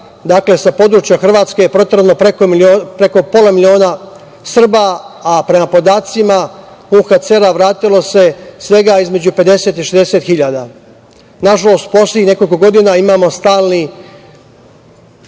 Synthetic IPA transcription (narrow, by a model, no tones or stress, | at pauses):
d̪akle̞sapo̞d̪ɾut͡ʃjaxr̩ʋaːt̪skejepɾo̞t̪ɾnopɾekomiopɾe̞ko̞po̞lˠamilio̞ːna | sr̩baːpɾe̞mapo̞d̪aːt̪sima | uːxat̪se̞ɾaʋɾaːt̪ilo̞se̞sʋe̞ɡaizme̞d͡ʑupe̞d̪e̞se̞ːt̪iʃezd̪ese̞t̪xiʎad̪a | naʒalo̞st̪po̞sleixne̞ko̞lʲko̞ɡo̞d̪inaimaːmo̞st̪aːlˠni